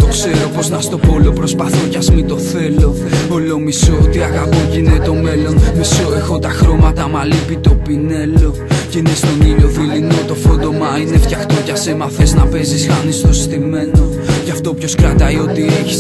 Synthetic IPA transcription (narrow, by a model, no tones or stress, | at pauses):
t̪o̞kse̞ɾo̞po̞znɐst̪o̞po̞lo̞pɾo̞spɐθocɐzmit̪o̞θe̞lo̞ | olo̞misoot̪iɐɣapocinet̪o̞me̞lo̞nmisoexo̞t̪ɐxɾo̞mɐt̪ɐmɐlipit̪o̞pine̞lo̞ceinest̪o̞nit̪o̞ðilino̞t̪o̞fo̞nd̪o̞mɐine̞ft̪çɐxt̪o̞cɐse̞mɐθe̞znɐpe̞zisxɐnist̪o̞st̪ime̞no̞ | cɐft̪o̞pço̞skɾɐt̪ɐio̞t̪ie̞çi̥s